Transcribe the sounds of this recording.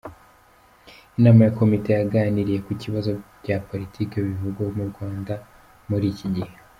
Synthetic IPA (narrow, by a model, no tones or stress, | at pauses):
inaːmajako̞mite̞jaɡaːniɾije̞kuciβazo̞ | ɟapo̞ɾitʰiːkiβivuɡwaomuɾɡwaːnda | muɾiciɟihe